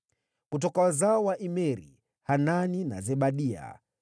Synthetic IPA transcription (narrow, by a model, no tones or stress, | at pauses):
kutɔkawazaɔwaʔimɛɾḭ | hananina̰zɛɓaɗia̰